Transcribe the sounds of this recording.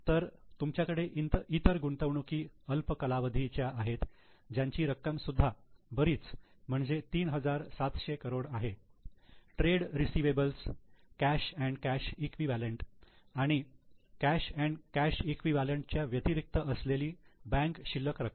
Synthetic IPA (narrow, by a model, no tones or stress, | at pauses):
t̪əɾt̪umt͡ɕjakəɽeʔint̪it̪əɾɡuɳt̪əʋɳukiːəlpəkəlaʋəd̪ʱit͡ɕjaʔaɦet̪d͡ʑjaɲt͡ɕiːɾəkːəmsud̪ʱːabəɾiːt͡s | m̤əɳd͡zet̪iːnɦəd͡zaɾsat̪ɕekəɾoɽaɦe | ʈɾeɽɾisiʋebəlskæɕæ̃ɳɖkæɕikʋiʋæləɳʈaɽ̃ikæɕæ̃ɳɖkæɕikʋiʋæləɳʈt͡ɕjaʋjət̪iɾik̚t̪əʔəsleliːbæ̃ŋkɕilːəkɾək